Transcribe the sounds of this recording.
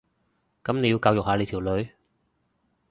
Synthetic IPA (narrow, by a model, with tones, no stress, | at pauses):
kɐ˨˦mne˨˧ji˧wkaː˧wjʊ˨k̚haː˨˧le˨˧jt̪ʰiː˨˩wlɵ˨˧ɥ